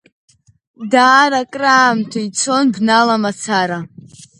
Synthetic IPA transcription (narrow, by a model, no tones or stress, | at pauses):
daːɾakʼraːmtʰait͡sʰo̞nbnalamat͡sʰaɾa